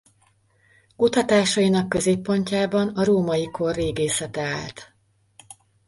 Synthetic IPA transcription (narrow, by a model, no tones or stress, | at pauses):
kut̪ɒt̪aːʃɒjinɒkːø̞zeːpːo̞ɲcaːbɒnɒɾoːmɒjikʰo̞rːeːɡeːsɛt̪ɛa̰ːlt̪